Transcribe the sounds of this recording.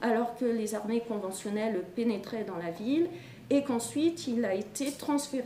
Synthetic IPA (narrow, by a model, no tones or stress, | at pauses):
alɔʁkəlezaʁmekɔ̃vɑ̃sjɔnɛlpenɛt̪χɛd̪ɑ̃lavil | ekɑ̃sɥit̪ilaet̪et̪χɑ̃sfeʁ